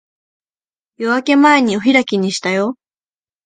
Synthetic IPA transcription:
jo̞βake̞mae̞ɲ̟ioçiɾakʲiɲ̟ːiɕi̥t̪ajo

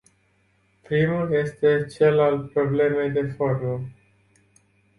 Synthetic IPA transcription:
pɾimulje̞st̪e̞t͡ʃe̞lalt̪̚pɾo̞ble̞me̞jd̪e̞fo̞rmə

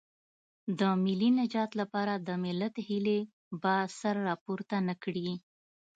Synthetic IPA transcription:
d̪əmɪlinad͡ʒɑt̪lapɑɾad̪əmɪlat̪hile | basaɾːɑpoɾt̪anakɽi

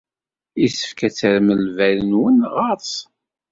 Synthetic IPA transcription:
isə̥fkæt͡sːəɾməlvæɾənwənʁɑˤs

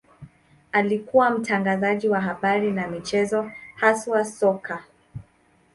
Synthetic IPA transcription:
alikuwam̩tʰaŋɡazaʄiwaɦaɓaɾinamit͡ʃɛzɔhaswasɔka

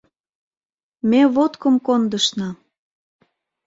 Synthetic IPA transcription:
meβot̪kəmkond̪əʃnɑ

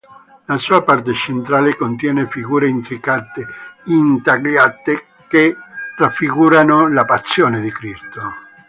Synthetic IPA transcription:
lasuapart̪et͡ʃent̪ɾaːlekont̪jɛːnefiɣuːɾeint̪ɾikat̪eint̪aɡjat̪e | kerafːiɣuːɾanolapatsːjoːned̪ikɾist̪o

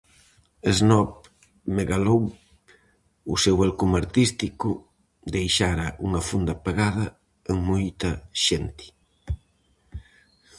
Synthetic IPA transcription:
eznɔp | meɣalow | ʊsewalkumaɾt̪ist̪ikʊ | d̪ejʃaɾɐʔuŋɐfund̪ɐpeɣaðɐ | eŋmojt̪ɐʃent̪ɪ̥

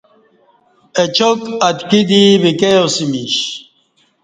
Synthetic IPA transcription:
et͡ʃokat̪kid̪ibikejosimiɕ

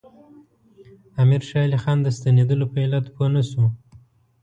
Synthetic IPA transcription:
amiɾʃɑlixɑnd̪əst̪aned̪əlopəelat̪pənasu

